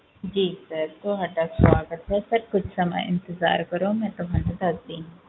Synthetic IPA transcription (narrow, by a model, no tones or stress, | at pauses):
d͡ʒiːsɐɾt̪oːɦɐʈakswaːɡət̪ɦɛsɐɾkʊt͡ʃʰsɐmə̰jɪ̰̃nt̪ɪza̰ːɾkɐɾõmɛ̃ːt̪ʊbãːnãd̪ɐsd̪ĩː